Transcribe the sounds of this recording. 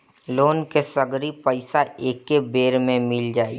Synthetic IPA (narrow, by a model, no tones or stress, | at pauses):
loːnkesəɡɾipəɪsaeːkːebeːɾmẽmɪld͡ʒaːḭ